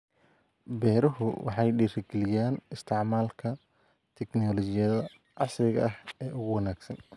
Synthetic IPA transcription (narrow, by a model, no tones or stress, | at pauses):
bɛːɾɐɦʊwɑ̰ħɑjɖiːrɪɡɛlɪjaːnɪst̪ʰɛʕmaːlkʰɐ | t̪ʰɛɡnɔːlɔt͡ʃɪjɐðɐ | ʕɑsrɪɣɐʔɐɦɛːʔʊɣʊwɐnaːɡsɐn